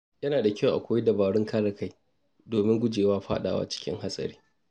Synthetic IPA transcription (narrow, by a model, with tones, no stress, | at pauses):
jɐ˦naː˨da˨kʲɐ˦˨wʔa̰˨kʷoː˦ji˦dɐ˨baː˨ɽɪ˦ŋkaː˦ɽɐ˨ka˦j | doː˨mɪ˦ŋɡʷʊ˦d͡ʒeː˨waː˦ɸa̰ː˦ɗa̰ː˨wa̰ː˦t͡ʃɪ̥˦kʲɪ̰˦ŋɦa˦sʼɐ̰˨ɾiː˦